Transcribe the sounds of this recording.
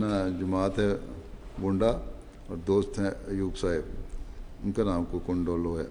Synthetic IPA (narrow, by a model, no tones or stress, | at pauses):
nad͡ʒɐmaːt̪ɦɛbʊ̃ɳɖa | ɔ̰ːɾd̪oːst̪ɦɛ̃juːɡsaːɪb | ʊnkenãːmkokʊɳɖoːloːɦɛː